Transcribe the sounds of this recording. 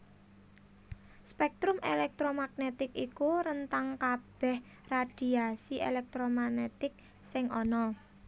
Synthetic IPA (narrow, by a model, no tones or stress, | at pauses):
spɛk̚t̪ɾʊmḛlɛk̚t̪ɾomaɡ̚net̪ɪkikuɾənt̪aŋkab̥ɛ̤h | rad̪̥i̤asiʔḛlɛk̚t̪ɾomanet̪ɪk̚ | sɪŋɔnɔ